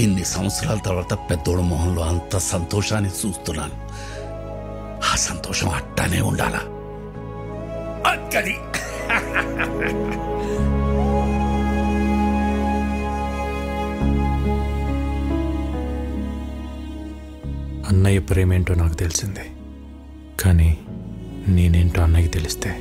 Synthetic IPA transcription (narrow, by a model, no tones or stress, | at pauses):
inːisɐ̃w̃slaːlt̪ɐʋat̪ɐpɛd̪oːɽmoɦɐnloɐnt̪ɐsɐnt̪oːʃaːnesuːst̪ula̰ːn | haːsɐnt̪oːʃõ̰ːɐ̰ʈːa̰ːnḛṵɳɖa̰ːla̰ | ɐkɐɾi | ɐnːɐjɐpɾeːmeɳʈoːnaːkut̪elisind̪i̥ | kaːni | neːneːɳʈoːɐnːɐjɐt̪elist̪eː